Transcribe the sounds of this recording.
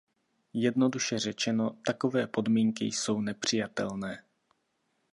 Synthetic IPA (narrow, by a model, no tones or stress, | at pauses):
jɛdno̞duʃɛr̝ɛt͡ʃɛno̞t̪ako̞vɛːpo̞dmiːŋkɪ̰jso̞wnɛpr̝̥ɪjat̪ɛ̰lnɛː